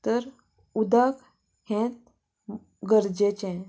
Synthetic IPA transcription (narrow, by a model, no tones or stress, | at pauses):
t̪əɾ | ud̪ak | hɛ̃t̪̚ | ɡəɾd͡ʑet͡ɕɛ̃